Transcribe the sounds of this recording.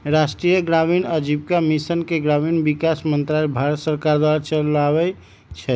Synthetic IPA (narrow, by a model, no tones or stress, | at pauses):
ɾasʈɾijəɡɾaminəd͡ʒib̚kamisənkeɡɾaminbikasmənt̪ɾalbʱaɾət̪səɾkaɾd̪waɾt͡ʃəlaβɛ | t͡ʃʰɛ